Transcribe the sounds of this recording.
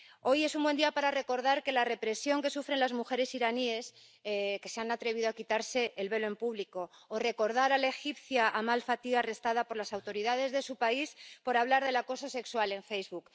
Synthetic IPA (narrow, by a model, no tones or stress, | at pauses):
o̞je̞sumbwe̞nd̪iapaɾare̞ko̞ɾðaɾke̞lare̞pɾe̞sjo̞ŋke̞sufɾe̞nlazmuxe̞ɾe̞siɾanie̞s | ke̞se̞anat̪ɾe̞β̞iðoakit̪aɾse̞ːlβe̞loe̞mpuβliko̞ːre̞ko̞ɾð̞aɾalaexipθjaʔamalfat̪iare̞st̪að̞apo̞ɾlasawt̪o̞ɾiðað̞e̞zðe̞supaispo̞ɾaβlaɾðe̞lako̞so̞se̞kswale̞ɱfe̞jzβuk